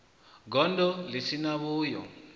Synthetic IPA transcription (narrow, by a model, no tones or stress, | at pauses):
ɡɔndɔlesinaβuːjɔ̰